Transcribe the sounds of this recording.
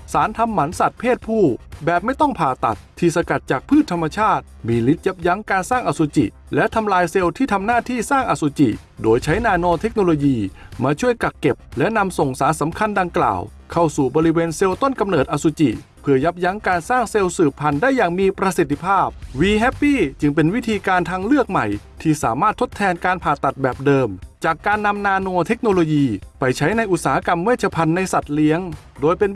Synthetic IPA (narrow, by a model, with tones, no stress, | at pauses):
saː˩˦nt̪ʰa˧mːa˩˦nsa˨˩t̪̚pʰeː˥˩t̪̚pʰuː˥˩bɛː˨˩p̚ma˥˩jt̪ɔ˥˩ŋpʰaː˨˩t̪a̰˨˩t̪ʰːiː˧˩sa˧ka˨˩t̪̚t͡ɕaː˨˩k̚pʰɯː˥˩t̪ʰːa˧mːa˧t͡ɕʰaː˥˩t̪̚miː˧li˦˥t̪̚ja˦˥p̚ja˦˥ŋkaː˧nsaː˥˩ŋʔa˨˧˩su˨˧˥t͡ɕḭ˨˩ | lɛ˦˥t̪ʰa˧mlaː˧jse˧wt̪ʰiː˥˩t̪ʰa˧mnaː˥˩t̪ʰiː˥˩saː˥˩ŋʔa˨˩su˨˧˦t͡ɕḭ˨˩ | doː˧jt͡ɕʰa˦˥jnaː˧noː˧t̪ʰe˦˥k̚noː˧loː˧jiː˧maː˧t͡ɕʰu˥˩əjka˨˩k̚kːe˨˩p̚lɛ˦˥na˧mso˨˩ŋsaː˩˦nsa˩˦mkʰa˧nda˧ŋkla̰ː˨˩w | kʰa˥˩wsuː˨˩bɔː˧ɾi˦˥weː˧nse˧wt̪o˥˩nka˧mnɤː˨˩t̪̚ʔa˧su˧t͡ɕḭ˨˩ʔ | pʰɯː˧˩ɐja˦˥p̚ja˦˥ŋkaː˧nsaː˥˩ŋse˧wsɯː˨˩pʰːa˧ndaː˥˩jːaː˨˩ŋmiː˧pɾa˧si˨˩t̪ʰːi˧pʰaː˥˩p̚wiː˧ɦɛː˦˥pːiː˥˩t͡ɕɯ˧ŋpe˧nwi˦˥t̪ʰiː˧kaː˧nt̪ʰaː˧ŋlɯ˥˩ək̚ma˨˩jt̪ʰiː˥˩saː˨˩˦maː˥˩t̪ʰːo˦˥t̪ʰːɛː˧nkaː˧npʰaː˨˩t̪ːa˨˩t̪̚bɛː˨˩p̚dɤː˧mt͡ɕaː˨˩kːaː˧nːa˧mnaː˧noː˧t̪ʰe˦˥k̚noː˧loː˧jiː˧pa˧jt͡ɕʰa˦˥jna˧jʔu˨˩saː˩˦ha˦˧ka˧mːɛː˥˩t͡ɕʰa˧pʰa˧nːa˧jsa˨˩t̪̚li˦˥əŋ | doː˧jpe˧n